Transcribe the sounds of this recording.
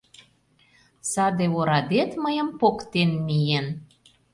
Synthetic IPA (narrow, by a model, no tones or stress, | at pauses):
sɑd̪eoɾɑd̪et̪məjəmpokt̪enmijen